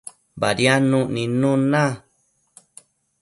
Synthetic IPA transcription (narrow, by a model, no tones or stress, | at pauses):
baɾjanũʔnĩnũnã